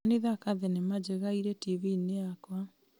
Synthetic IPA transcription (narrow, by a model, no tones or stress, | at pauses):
neðakaðenemad͡ʑeɣaiɾɛtivineakwa